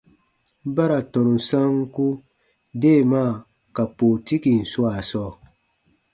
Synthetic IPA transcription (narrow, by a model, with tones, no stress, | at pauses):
ba˦ɾa˨tɔ̃˨nũ˨sã˦ŋ˦ku˦ | de˦˨maː˦˨ | ka˨poː˨ti˦ki˨n̩˨su˦a˨sɔː˦˨